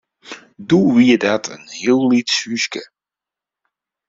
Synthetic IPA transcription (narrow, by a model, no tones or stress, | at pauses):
duʋiədatʰə̰nhiəlˠːitsyskə